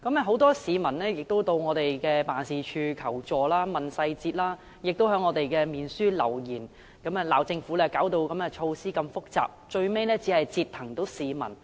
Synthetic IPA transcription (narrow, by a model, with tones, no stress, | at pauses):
kɐ˨˥mɛ˨˧ɦo˨˥wt̪ɔː˥siː˨˧mɐ˨˩nlɛː˥jɪ˨k̚t̪o˥wt̪o˧wŋɔː˨˧t̪e˨jkɛː˧paː˨nsiː˨t͡ʃʰyː˧kʰɐ˨˩wt͡sɔː˨laː˥mɐ˨nsɐ˧jt͡siː˧t̚laː˥ | jɪ˨k̚t̪wɦœː˨˥ŋːɔː˨˧t̪e˨jkɛː˧miː˨˩nsyː˥lɐ̰˨˩wjiː˨˩n | kɐ˨˥mɛː˨laː˨˩wt͡sɪ˧ŋfuː˨˥lɛː˥kaː˨˥wt̪o˧wkɐ˨˥mɛː˧t͡ʃʰo˧wsiː˥kɐ˧mfʊ˥k̚t͡sa̰ː˨p̚t͡ʃɵ˧ɥme˥jnɛː˥t͡si˨˥hɐ˨jt͡siː˧t̪̚ʰɐ˨˩ŋt̪o˨˥wsiː˨˧mɐ̰˨˩n